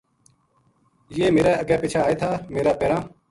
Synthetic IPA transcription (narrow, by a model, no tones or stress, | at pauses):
jeːmeːɾaːəɡɛːpiːt͡ʃʰaːeːt̪ʰaːmeːɾaːpeːɾãː